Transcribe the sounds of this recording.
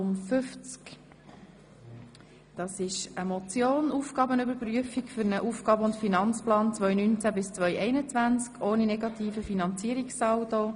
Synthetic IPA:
ʊmfʏft͡sk | d̥ɑsɪʃəmɔt͡sjoːnuːfɡ̥ɑːbənʏbəɾpɾyəfikfʏɾnəʔuːfɡ̥ɑːbəʊntfinɑnt͡splɑːnt͡sʋœʏnynt͡sæbɪst͡sʋœʏʔɛɪnət͡svʋænt͡skʰʔoːninɛɡɑt̪iːfəfinɑnt͡siːəɾiksɑːwto

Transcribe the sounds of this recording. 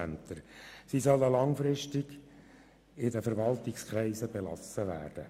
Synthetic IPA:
nt̪əɾsisɔlːəlɑŋfɾɪʃtiɡ̥ | ɪdəfəɾʋɑlt̪ɪkskʰɾɛɪsəbelɑ̰səʋæ̰ːrd̥ə

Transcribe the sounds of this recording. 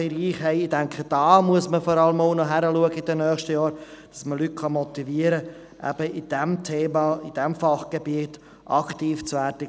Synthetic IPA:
ɪɾiːχɦɛɪɪdɛŋkχəd̥ɑːmuəsməfɔɾɑləmoʊnɔɦæɾəluəɡəɪd̥ɛnœːχʃtəjɑːɾd̥ɑsməlyt̚kʰɑmɔtiviːəɾə | ʔæ̰b̥əɪd̥ɛmtʰeːmɑɪd̥ɛmfɑχɡ̥ebiət | ʔɑktiːft͡svæːɾdə

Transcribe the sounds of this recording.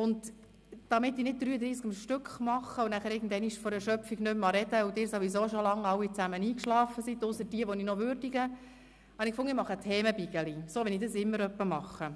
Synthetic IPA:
ʊnd | d̥ɑmɪtːinɪd̚d̪̥ɾyːəd̪ɾiːskəmʃtʏkχmɑχːəʊnæχəɾɪːɡ̚n̩d̪ɛniʃfɔɾɛɾʃœpfiɡnʏmːɑɾɛd̥əudɪːɾsoʋisoːʃolɑŋɑwːit͡sæməniːkʃlɑːfəsit̪ʊsəɾdiəʋɔninɔʋʏɾd̥iɡə | hɑnikfʊŋimɑχətʰɛːməbiɡ̥əlisoːʋɛnidəsɪmːəɾœpːəmɑχːə

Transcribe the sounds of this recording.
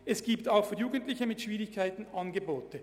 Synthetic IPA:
ɛsɡ̥iːptaʊxfyːɐjuːɡəntlɪçəmɪtʃv̥iːʁɪçkʰaɪtn̩ɑnɡəboːtə

